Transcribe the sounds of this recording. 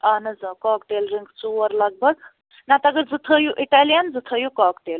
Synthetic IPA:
anɐd͡zəkɔːkʈ̪elɾiŋɡt͡suʋəɾlaɡ̚bəɡ | nat̪aɡəɾd͡zɨt̪ʰəjuʔiʈalijənd͡zɨt̪ʰəjukɔkʈel

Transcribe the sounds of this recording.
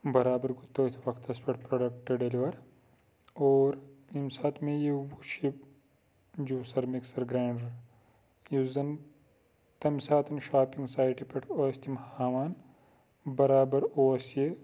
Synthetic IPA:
bɐɾaːbɐɾɡut̪ːoːt̪ʰiʋɐkt̪ɐspʰɐʈpɾɐɖɐk̚ʈɐɖeliʋɐɾ | oːɾimsaːt̪ʰmejewuʃip | d͡ʒuːsɐɾmiksɐɾɡɾaːɳɖɐɾ | juzd̪ɐn | t̪ɐmsaːt̪ɐnʃaːpiŋɡsaːjʈipɐʈʰoːst̪ʰimhaːʋaːn | bɐɾaːbɐɾoːsje

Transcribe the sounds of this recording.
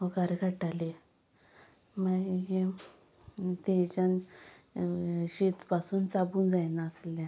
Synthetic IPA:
oɡaɾɡʰəʈale | maɡe | t̪et͡ɕan | ɕet̪pasuːnt͡sabuːnd͡zajnaəslã

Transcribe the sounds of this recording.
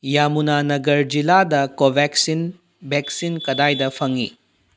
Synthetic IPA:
jamunanɐɡɐɾd͡ʒiladɐkobʱɛksin | bɛksinkɐdajdɐpʰɐŋḭ

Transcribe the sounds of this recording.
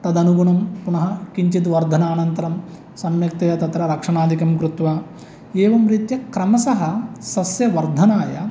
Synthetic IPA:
t̪ɐd̪ɐnuɡuɳɐmpuɳɐɦɐkiɲt͡ʃit̪ʋɐɾd̪ʱɐnaːnɐnt̪ɐɾɐm | sɐmjɐk̚t̪ɐjɐt̪ɐt̪ɾɐɾɐkʂɐɳaːd̪ʱikɐmkɾut̪ʋɐ | eːʋɐmɾit̪jɐkɾɐmɐsɐɦɐsɐsjɐʋɐɾd̪ʱɐnaːjɐ

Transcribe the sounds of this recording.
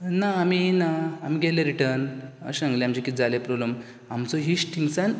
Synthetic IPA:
naːminaam̤iɡɛleɾiʈəɾnə̰ɕãŋɡleamd͡ʑikit̪̚d͡zalepɾobləm | amt͡sɔɦiɕʈʰiŋɡsan

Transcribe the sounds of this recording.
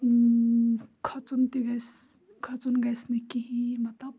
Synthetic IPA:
kʰɐt͡sunt̪iɡɐjs | kʰɐt͡sunɡɐjsnɐkiɦĩmɐt̪lɐb̚

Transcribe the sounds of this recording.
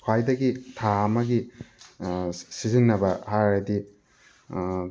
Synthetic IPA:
kʰajdɐɡitʰaɐmɐɡi | sizinːɐbɐhaɾɐdi

